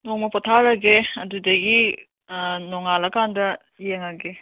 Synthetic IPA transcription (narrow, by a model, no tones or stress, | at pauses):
noŋmɐpɔtʰaɾɐɡeɐdudɐɡi | noŋalɐkandɐ | jeŋɐɡe